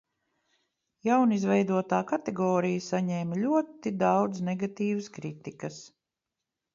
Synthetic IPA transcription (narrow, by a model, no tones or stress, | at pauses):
jawnizvɛjd̪uɔt̪aːkat̪ɛɡɔːɾijasaɲɛːmlʲuɔt̪id̪awd̪znɛɡat̪iːvəskɾit̪ikɐs